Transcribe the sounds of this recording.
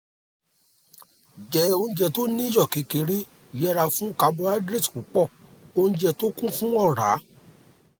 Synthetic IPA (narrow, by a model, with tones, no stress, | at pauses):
d͡ʒɛ˨˦o˧ũ˧˦d͡ʒɛ˧to˦nĩ˦jɔ˦˨ke˨˦ke˨˧ɾi˦˨ | jɛ˦ɾa˧fũ˦ka˧bo˧a˦dɾe˦˨tku˨˦k͡pɔ˦˨o˧nũ˦d͡ʒɛ˧to˦kũ˦fũ˦ɔ˦˨ɾa̰˨˦